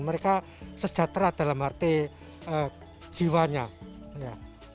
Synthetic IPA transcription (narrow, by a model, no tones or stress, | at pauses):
nməɾeka | səd̥d͡ʒ̥a̤t̪ɾad̥a̤lamhart̪e | ə̥ | d͡ʒ̥i̤waɲa | ja